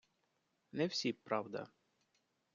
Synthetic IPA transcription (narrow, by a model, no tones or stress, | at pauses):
nɛwsʲipɾɑwd̪ɐ̰